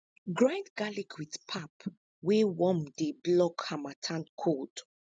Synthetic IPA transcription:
ɡɹãndɡalikʰwitpʰap | wewɔ̃mdeblɔkhamatʰãnkʰɔt

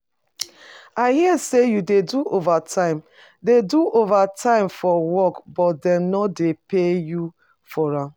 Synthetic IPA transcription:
aɪhiɛsejudeduʔovatʰãɪ̃m | deduʔovatʰãɪ̃mfɔwɔkbɔt̚dɛ̃mnɔdepeju | fɔɹãm

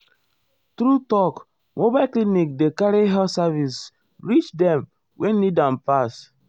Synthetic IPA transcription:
tɾutɔk | mobaɪklinik̚dekaɾiɦɛlsavis | ɹit͡ʃdɛ̃m | wʔɛ̃nnidãnpas

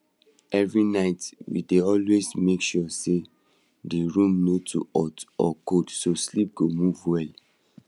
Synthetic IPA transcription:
ɛvɹinaɪtwḭdeɔlwesmekʃuse | diɹũmnotʰṵɔtɔ̰kodsoslip̚ɡomuvwɛl

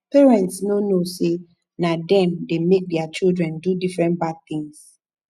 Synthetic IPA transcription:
pɛɹɛ̃ntsnonose | nadɛ̃mdemek̚dɛat͡ʃildɹɛ̃ndudifɹɛ̃ntbad̚θɪ̃ŋs

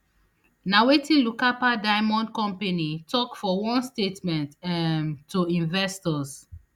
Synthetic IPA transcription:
nawetĩnlukapadaɪmɔ̃ndkɔ̃mpanitʰɔkfɔwɔ̃nstetmɛ̃ntɛmːuĩɱvɛstɔs

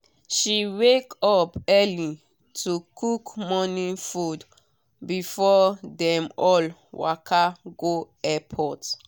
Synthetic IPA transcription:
ʃiwekɔpɛli | tʰukukmɔnĩfud | bifɔdɛ̃mɔlwa̰kʰaɡo | ɛpʰɔt

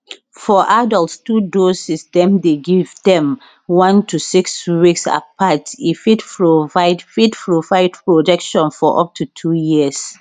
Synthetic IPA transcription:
fɔʔadɔltstudosisdɛ̃mdeɡivdɛ̃m | wãntusikswiksa̰patifidpɹovaɪdfidpɹovaɪdpɹod͡ʒɛkʃɔ̃nfɔʔɔp̚tʰutʰujiəs

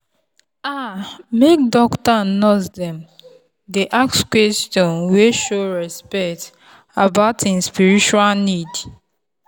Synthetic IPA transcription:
amek̚dɔktanozdɛ̃m | deʔakskwɛstɔ̃nweʃoɹɛspɛkt | abaʊtĩnspiɹit͡ʃualnid

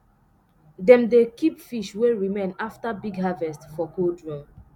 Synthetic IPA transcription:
dɛ̃mdekipfiʃweɹimẽnaftabiɡɦavɛstfɔkodɹɔ̃m

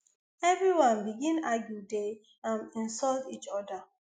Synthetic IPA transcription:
ɛvɹiwãnbiɡĩnaɡjude | ãnĩnsɔltit͡ʃɔda

